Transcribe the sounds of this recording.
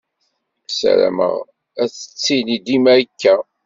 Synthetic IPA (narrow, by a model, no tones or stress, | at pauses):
sæ̰ɾæ̰mə̰ʁ | æt͡sə̥t͡sːinid̪imæɾkːæ